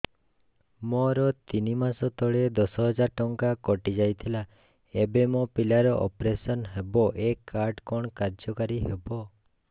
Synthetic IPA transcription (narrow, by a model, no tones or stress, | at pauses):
mɔɾɔt̪inimasɔt̪ɔɭed̪ɔsɔɦɔd͡ʒaɾʈɔŋkakɔʈid͡ʒajt̪ʰila | ebemopilaɾɔʔɔ̰pɾesɔnɦebɔʔekʰːaɾɖkɔɳ̃kaɾd͡ʒɔkaɾiɦebɔ